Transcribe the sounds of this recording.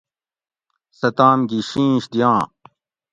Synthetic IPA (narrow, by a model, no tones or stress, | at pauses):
sɐt̪aːmɡiɕĩːɕd̪ijãː